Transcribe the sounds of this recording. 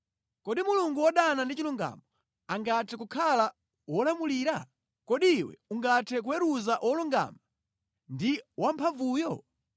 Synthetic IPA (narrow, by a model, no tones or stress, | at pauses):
kɔɗimuluŋɡuwɔɗanandit͡ʃiluŋɡa̰mɔ | aŋɡatʰɛkukʰala | wɔlamuliːɾa | kɔɗiːwɛ̰uŋɡatʰɛk̬uwɛɾuzaʔɔluŋɡa̰ma | ndiwampʰavuːjɔ